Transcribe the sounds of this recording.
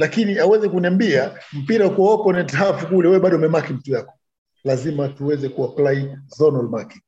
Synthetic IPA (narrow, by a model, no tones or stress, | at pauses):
lakiniawɛzɛkuniambiam̩piɾakuɔpɔnɛtɦafukulɛwɛwɛɓaɗɔumɛmakim̩tujakɔ̥ | lazimatuwɛzɛkuaplaizɔnɔlmaki